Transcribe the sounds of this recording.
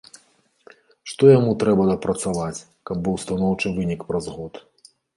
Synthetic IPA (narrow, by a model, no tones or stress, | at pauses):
ʂt̪ɔjamut̪ɾɛbɐd̪ɐpɾɐt̪savat͡sʲ | kɐb̚ːɨwst̪anɔwt͡ʂɨvɨnʲikpɾɐzɣɔt̪